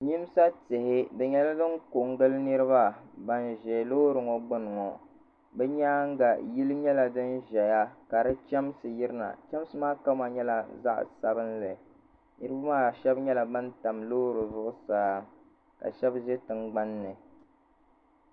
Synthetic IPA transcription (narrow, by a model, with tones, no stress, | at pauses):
ɲi˦m˦sa˦tɪ˨hɪ˦dɨ˨ɲɛ˦la˦dɨ˦ŋko˨ŋ˦ɡɨ˦lnɨ˦ɾɨ˦ba˦ba˨nʒɛ˨lo˦ɾɨ˨ŋɔ˨ɡ͡bɨ˦nɨ˨ŋɔ˨ | bɛ˦ɲaː˦ŋ˦ɡa˨ji˦lɨ˦ɲɛ˦la˨dɨ˦nʒɛ˨ja˦ka˨ɾɨ˦t͡ʃɛ˦msɨ˨ji˦ɾɨ˦na̰˨t͡ʃɛ˦m˦sɨ˦maː˦ka˦ma˨ɲɛ˦la˨za̰˦ʔsa˦bɨ˦nlɨ˨ | nɨ˦ɾɨ˦ba˦maː˦˨ʃɛ˦bɲɛ˦la˨ba˦nta˨mloː˦ɾɨ˨zʊ˦ʔʊ˦saː˦ | ka̰˨ʃɛ˦bʒɛ˦tɨ˨ŋɡ͡ba˦nːɨ˨